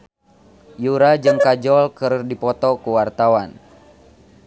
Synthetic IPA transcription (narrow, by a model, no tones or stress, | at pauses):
juɾad͡ʒɨŋkad͡ʒɔlkərdipɔt̪ɔkuwart̪awan